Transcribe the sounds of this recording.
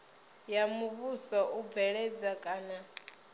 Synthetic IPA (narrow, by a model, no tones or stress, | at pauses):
jamuβusɔʔub̪vɛɺɛd͡zakʼaːna